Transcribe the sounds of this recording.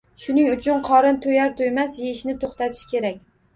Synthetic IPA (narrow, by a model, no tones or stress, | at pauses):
ʃʊnɪŋʊt͡ʃʰʊnqʰɒɾɪnt̪ʰojaɾt̪ʰojmasjeɪʃnɪt̪ʰoχt̪at̪ʰɪ̥ʃkʲe̞ɾakʲ